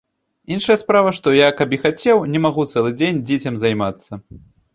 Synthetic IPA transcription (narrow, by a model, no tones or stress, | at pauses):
inʂɐjɐspɾavɐʂt̪ɔjakapixat͡sʲɛwnʲɛmaɣut̪sɛlˠɨd͡zʲenʲd͡zʲet͡sʲɐmzajmat̪sːɐ